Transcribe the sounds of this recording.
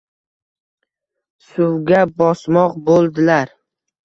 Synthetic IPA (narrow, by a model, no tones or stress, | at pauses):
sʊwɡʲabɒsmɒqbolˠd̪ɪlaɾ